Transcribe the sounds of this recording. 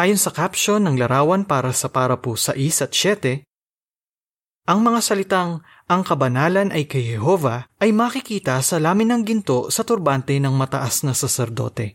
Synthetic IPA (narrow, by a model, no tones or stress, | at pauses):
ʔaːjo̞nsɐkapʃo̞nɐŋlɐɾaːwɐnpaːɾɐsɐpaːɾɐposɐ̰ʔisɐt̪̚t͡ʃɛt̪ɛ | ʔɐŋmɐŋasɐlɪt̪aŋ | ɐŋkɐbɐnaːlɐnʔɐjkɐjhɛɦo̞vɐʔɐjmɐkɪkiːt̪ɐsɐlaːmɪnːɐŋɡɪnt̪o̞sɐt̪ʊɾbant̪ɛnɐŋmɐt̪ɐʔasnɐsɐsɛɾd̪o̞̰t̪ɛ